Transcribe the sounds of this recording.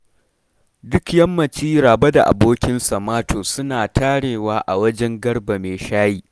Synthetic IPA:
dʊ˦kjɐ˦mːɐ˨t͡ʃiː˦ɾaː˨bɐ˦da̰˨ʔa̰˨boː˦kʲɪ˦nsɐ˨maː˦tʰoː˨sʊ˦naː˨tʰaː˦ɽeː˨waː˦ʔa˨wɐ˦d͡ʒɛ˦ŋɡɐ˦rba˨meː˨ʃaː˦jiː˦

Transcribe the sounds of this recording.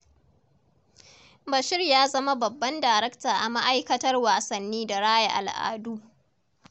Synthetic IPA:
bɐ˨ʃɪ˦rjaː˦zɐ˦ma˦bɐ˨bːɐ˦ndaː˨ɾɛ˦ktaː˨ʔa˨ma˦ʔa˦jkɐ˦tɐ˦rwaː˨sɐ˨nːiː˦da˨ɽaː˦ja˨ʔa̰˨lʔa̰ː˦duː˦

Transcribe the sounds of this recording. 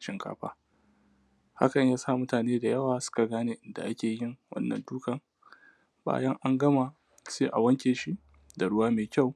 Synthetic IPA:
ʃɪ˦ŋkʰa̰ː˦ɸa̰ː˦ | ha̰˦kɐ˨ɲjaː˦sa˦˨mʊ˦taː˨neː˦da˨jɐ˦waː˨sʊ̥˦ka˨ɡaː˦neː˨ʔɪ˨nda̰˨ʔa˦kʲeː˨jɪ˦˨ŋwɐ̰˦nːɐ̰˨nduː˦kɐ˨ŋ | ba̰ː˦jɐ˦ŋʔa˦ŋɡɐ˦ma˨ | seː˦ʔa̰˨wɐ˦ŋkʲeː˨ʃi˦ | da˨ɽʊ˦waː˦meː˨kʲa˦˨w

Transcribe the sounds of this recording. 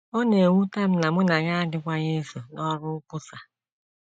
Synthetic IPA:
o˦ne˨ŋʷu˦ta˦m̩˦na˨mʊ˦na˨ɣa˦a˦dɪ˦kʷa˦ɲe˦so˨nɔ˦ɾʊ˦ʊ˦kʊ˦sa˨

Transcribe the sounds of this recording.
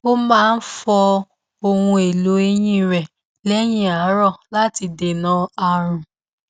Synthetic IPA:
o˦mãː˦˧n̩˦fɔ˧ | o˧hũ˧e˨lo˨˦e˧j̃ĩ˦ɾɛ˨ | lɛ˦j̃ĩ˦˨a˨˦ɾɔ˦˨la˦ti˧de˨nã˨˦a˧ɾ̃ũ˨

